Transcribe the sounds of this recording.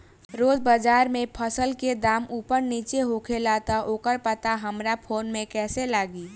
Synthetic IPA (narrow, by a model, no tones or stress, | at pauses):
ɾoːd͡ʒbəd͡ʒaːɾmẽpʰəsəlked̪aːmuːpəɾniːt͡ʃeɦoːkʰelaːt̪aʔoːkəɾpət̪aɦəmɾapʰoːnmẽkɛːselaːɡiː